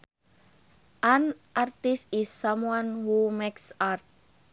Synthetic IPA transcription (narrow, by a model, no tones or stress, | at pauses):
ʔanʔart̪ɪsɪsːamwanhumɛksart̪̚